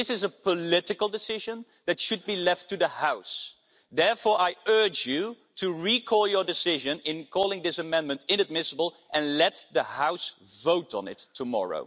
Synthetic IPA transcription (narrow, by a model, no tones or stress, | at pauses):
ɪsɨzəpʰəlɪɾɨkl̩ˠdɨsɪʒə̃n | ðɨtʃɨd̚bilɛftʰɨðəhaʊs | ðɛɹfɔɹʔaɪɜ˞d͡ʒju | tʰɨɹikʰɔlˠjə˞dɨsɪʒɨ̃nɪ̃nkʰɔlˠɪ̃ŋðɪsɨmɛ̃nmɨ̃ntɪ̃nɨd̚mɪsəbl̩ˠ | ʔɨ̃nlɛt̪̚ðəhaʊs | voʊɾn̩ɪ̰tʰːəmɔ̰ɹo̰ʊ